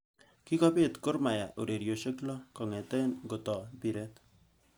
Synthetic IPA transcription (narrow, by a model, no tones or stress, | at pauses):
kikɔpet̪koɾmajaʔṵɾeɾjoʃeklɔkɔŋet̪enɡot̪ɔbiɾɛt̪